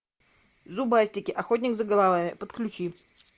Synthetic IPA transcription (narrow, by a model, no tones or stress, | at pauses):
zubasʲtʲɪkʲɪʔɐxot̬ʲnʲɪɡzəɡəlˠavamʲɪpət̪klʲʉt͡ɕi